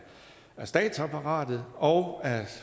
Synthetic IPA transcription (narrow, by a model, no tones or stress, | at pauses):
æɐsd̥ɛ̰ːd̥sæpʰɑʁɑ̰̈ːd̥ð̩ˠɒʊæ